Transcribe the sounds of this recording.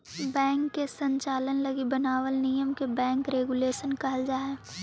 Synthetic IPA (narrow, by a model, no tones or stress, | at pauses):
bɛ̃ːŋkːesə̃ɲt͡ʃaːlənləɡibənaːʋəlnijəmkebɛ̃ːŋkɾeːɡuleːʃənkɐɦəld͡ʒaːɦe